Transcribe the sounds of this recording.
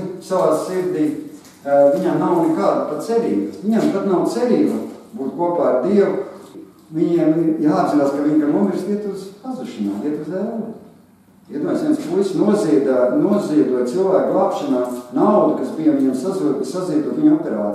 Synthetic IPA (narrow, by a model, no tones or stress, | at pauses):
saʋaːsiɾd̪iː | viɲamnawnɛkaːd̪pat̪t̪sɛɾiːbasʋiɲɛmt̪at̪nawt̪sɛɾiːbabuːt̪kuɔpaːɾd̪iɛw | vʲiɲiɛmiɾjaːd̪zinaːskaʋiɲkamumiɾst̪ʲiɛt̪uzpazuʃina̰ːliɛt̪uzɛlˠl | it̪uːjsʋiɛnspulʲsnuɔziɛd̪anuɔziɛd̪uɔjt̪silˠvæːkɡlˠaːpʃanaːnawd̪ukasbijɐviɲɛmsazuɔt̪isaziɛd̪uɔt̪ʋiɲɔpʲɛɾaːt̪i